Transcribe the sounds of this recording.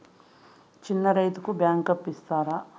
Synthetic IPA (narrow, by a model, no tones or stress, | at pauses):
t͡ʃinːɐɾɐjt̪ukubjaːŋkɐpːist̪aːɾaː